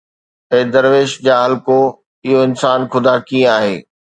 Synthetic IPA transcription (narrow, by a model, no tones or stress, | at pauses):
ɛ̃ːd̪ɐɾʋeːʃd͡ʑaːɦɐlko | ɪɦoɪnsaːnxʊd̪aːkĩaːɦḛː